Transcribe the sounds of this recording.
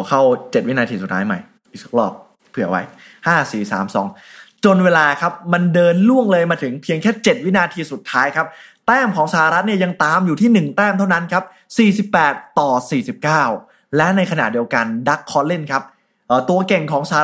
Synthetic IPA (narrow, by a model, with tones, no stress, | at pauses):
kʰa˥˩wt͡ɕt̪̚wi˦˥naː˧t̪ʰiː˧su˨˩t̪ʰːaː˦˥jma˨˩j | i˧˩˦k̚lɔː˥˩p̚ | pʰɯ˨˩ɐwa̰˧˥j | haː˥˩siː˨˩sa̰ː˩˦msɔ̰ː˩˦ŋ | t͡ɕo˧nweː˧laː˧kʰa˦˥p̚ma˧ndɤː˧nlu˥˩əŋlɤː˧jmaː˧t̪ʰɯ˩˦ŋpʰi˧əŋkʰɛː˥˩t͡ɕe˨˩t̪̚wi˦˥naː˧t̪ʰiː˧su˨˩t̪ʰːaː˦˥jkʰa˦˥p̚t̪ɛː˥˩mkʰɔː˩˦ŋsa˧˩a˧ɾa˦˥t̪̚ni˥˩ɐja˧ŋt̪aː˨˧mjuː˨t̪ʰiː˥˩nɯ˨˩ŋt̪ɛː˥˩mt̪ʰa˥˩wna˦˥nkʰa˦˥p̚ | siː˨˩si˨˩pːɛː˨˩t̪ːɔː˨˩siː˨˩si˨˩p̚kaː˥˩w | lɛ˦˥na˧jkʰa˧na̰˨˩ʔ̚di˧əwka˧nda˦˥kʰːɔː˦˥nle˥˩nkʰa˦˥p̚ | ʔəː˨˩t̪u˧ɐke˨˩ŋkʰɔː˩˦ŋsa˧